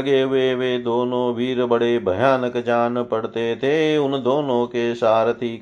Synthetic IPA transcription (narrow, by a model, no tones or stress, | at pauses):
ɡeːʋeːʋeːd̪oːnõːʋiːɾbəɽeːbʱɐjaːnəkd͡ʒaːnpɐɽt̪et̪ʰeːʊnd̪oːnõːkesaːɾt̪iːk